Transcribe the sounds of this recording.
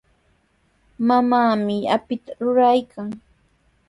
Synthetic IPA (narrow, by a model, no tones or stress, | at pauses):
mamaːmɪapɪt̪aɾʊɾajkʰaŋ